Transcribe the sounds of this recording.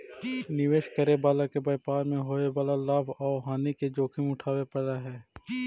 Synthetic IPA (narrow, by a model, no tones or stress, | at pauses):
nɪʋeːʃkəɾebaːlakebɐɪpaːɾmẽɦoːebaːlalaːbaːʋɦaːniked͡ʒoːkʰimʊʈʰaːwepəɽaɦɛː